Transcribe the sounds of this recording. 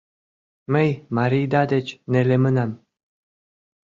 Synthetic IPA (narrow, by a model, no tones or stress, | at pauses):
məjmaɾijd̪ɑd̪et͡ɕnelemənam